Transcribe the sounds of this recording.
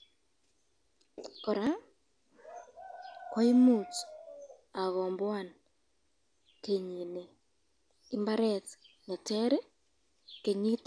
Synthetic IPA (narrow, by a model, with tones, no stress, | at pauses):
ko˨ɾa˦ | kwa˦i˦mu˦˨ta˨ɣɔ˨mbwa˦˨n | ke˨ɲi˨ne˨ | i˦mba˦ɾɛ˦tne˨tɛ˦ɾe˦ | ke˨ɲi˦t